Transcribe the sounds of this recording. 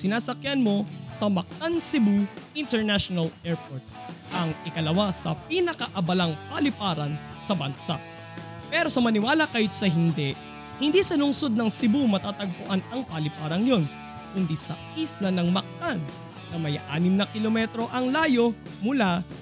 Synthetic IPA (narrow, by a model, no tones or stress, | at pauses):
sɪnaːsɐkjanmo̞sɐmɐk̚t̪ansɪbuʔɪnt̪ɛɹnaʃonɐlʔɛɹpoɹt̪̚ʔɐŋɪkɐlɐwasɐpinɐkɐʔɐbɐlɐŋpɐlɪpaːɾɐn | sɐbɐnsa̰ʔ | pɛɾo̞sɐmɐnɪwaːlɐkɐjɪt̪sɐɦɪnd̪ɛʔ | hɪnd̪isɐlʊŋso̞d̪̚nɐŋsɪbumɐt̪aːt̪ɐɡ̚pʊʔanɐŋpɐlɪpaːɾɐŋjo̞n | kʊnd̪isɐ̰ | islɐnɐŋmɐk̚t̪anː | ɐmɐjʔa̰ːnɪmnɐkɪlomɛt̪ɾo̞ʔɐŋlaːjo̞ | mʊla